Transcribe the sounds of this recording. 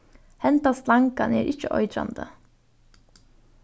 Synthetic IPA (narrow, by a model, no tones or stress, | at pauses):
hɛnt̪ɑːst̪lɑŋkɑneːɾʔɪçəʔɔ̰ʏd̪ɾɑ̰nd̪ə